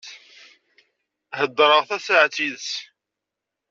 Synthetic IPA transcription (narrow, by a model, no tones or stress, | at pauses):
həd̪ːɾˤəʁθæsəʕt͡sːiðs